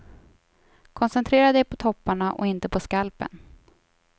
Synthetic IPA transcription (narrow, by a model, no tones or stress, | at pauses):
kʰɔnsɛnt̪ʰɾeːɾad̪ɛjpʰɔt̪ʰɔpːaɳaʔɔ̰ɪnt̪əpʰɔskalpə̰n